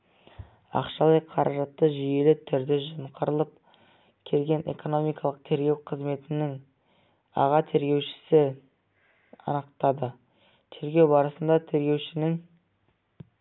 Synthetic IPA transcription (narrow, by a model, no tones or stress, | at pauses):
ɑ̰qʃɑlˠəjqʰɑɾʔɑʒɑt̪ːəʒije̞lɪt̪ʰʏɾd̪ɪʒəmqʰəɾəlˠəp̚ | kʲʰe̞lɡʲe̞nʔe̞̰ko̞no̞mijkɑlˠəq̚t̪ʰe̞ɾɡʲe̞wqʰəzme̞t̪ɪnɪŋ | ɑ̰ʁɑt̪ʰe̞ɾɡʲe̞wʃɪ̥sɪ | ɑ̰nəqt̪ɑd̪ə | t̪ʰe̞ɾɡʲe̞wbɑɾəsənd̪ɑt̪ʰe̞ɾɡʲe̞wʃɪnɪŋ